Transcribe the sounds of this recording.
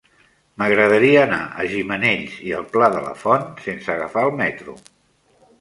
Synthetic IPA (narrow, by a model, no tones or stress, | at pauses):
məɣɾəðəɾiəːna̰ʔəʒiməneʎziəlˠplaðələ̰fɔnsensəɣəfaəlˠmɛt̪ɾṵ